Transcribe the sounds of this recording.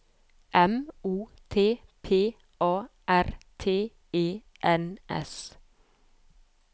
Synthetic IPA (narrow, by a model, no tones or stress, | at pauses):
ʔɛmuːt̪ʰeːpʰeː | ʔɑːʔæɾt̪ʰeː | eː | ʔɛnʔɛ̰s